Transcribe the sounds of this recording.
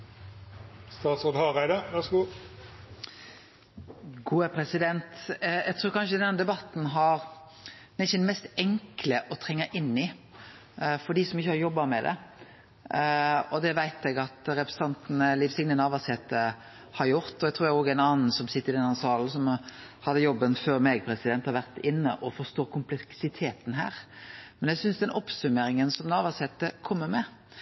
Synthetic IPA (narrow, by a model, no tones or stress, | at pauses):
st̪ɑːt̪soːd̪hɑʁæɪd̪əʋæʁsɡuː | ɡuːəpʰɾɛsɪd̪ɛnt̪ɛɡt̪ʰɾʉːɾkɑnʃəd̪ɛnd̪ɛbɑt̪n̩ɦɑɾ | ɛçəd̪mɛst̪ɛŋkləʔɔt̪ʰɾɛŋːəʔɪnːɪ | fɔɖ̪iːsɔmɪçːəhɑɾjɔbːɑmɛd̪ɛ̰ | ɔd̪ɛʋæɪt̪ɛɡɑt̪ɾɛpɾsət̪ʰɑnt̪nəlɪʋsɪɡnənɑːʋɑshɛːt̪ə | hɑɾjʊɾt̪ɔɛɡ̚t̪ʰɾuːɾæoːɡænɑːnn̩sɔmsɪt̪ːəɾɪd̪ɛnhɑnsɑːln̩sɔm | hɑd̪ːəjɔbːənføːɾmɛɡ̚pʰɾɛsɪd̪ɛnt̪hɑɾʋæʁt̪ɪnːəʔɔfɔst̪oːkʰʊmplɛksɪt̪ʰeːt̪n̩ɦæ̰ːɾmɛnɛɡsʏnsd̪ɛnʔɔpsʉmeːɾɪŋənsɔmnɑːʋɑshɛːt̪əkʰɔmːəɾmɛ